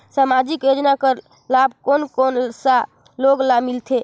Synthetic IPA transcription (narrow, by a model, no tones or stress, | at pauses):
samad͡ʒikjod͡ʒnakəɾ | lab̚konkonsa | loɡlamilt̪ʰe